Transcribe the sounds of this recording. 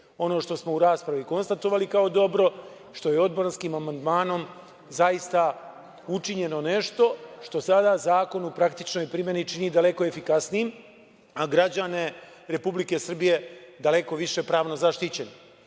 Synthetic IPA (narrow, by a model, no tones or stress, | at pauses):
o̞no̞ːʃt̪o̞smouɾaːspɾaʋiko̞nst̪at̪o̞ʋalikao̞d̪o̞bɾo̞ | ʃt̪o̞je̞o̞d̪̚bɾanskimamand̪maːno̞m | zajist̪a | ut͡ʃiɲe̞no̞ne̞ʃt̪o̞ʃt̪o̞sad̪azaːko̞nupɾakt̪it͡ʃno̞jpɾime̞nit͡ʃinid̪ale̞koe̞fikasnijim | aɡɾad͡ʑane̞ | ɾe̞publike̞sr̩bije̞d̪ale̞ko̞ʋiʃe̞pɾaːʋno̞zaʃt̪it͡ɕe̞ni